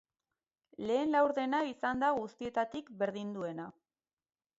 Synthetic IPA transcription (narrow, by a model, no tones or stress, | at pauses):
le̞ːnlawɾðe̞naisand̪aɣust̪ie̞t̪at̪ikbe̞ɾðind̪ue̞na